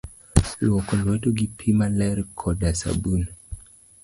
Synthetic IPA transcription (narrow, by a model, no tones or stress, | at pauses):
lɔkolwetoɡipʰimalɛɾkʰɔdasa̰bun